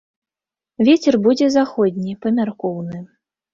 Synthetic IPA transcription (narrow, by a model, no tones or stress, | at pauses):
vʲet͡sʲɛrbud͡zʲɛzaxɔd̪ʲnʲipɐmʲarkɔwnɨ